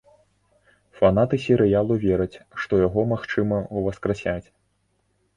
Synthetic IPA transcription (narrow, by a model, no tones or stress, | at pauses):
fanat̪ɨsʲɛɾɨjalˠuvʲɛɾɐt͡sʲʂt̪ɔjaɣɔmaxt͡ʂɨmɐuvɐskɾasʲat͡sʲ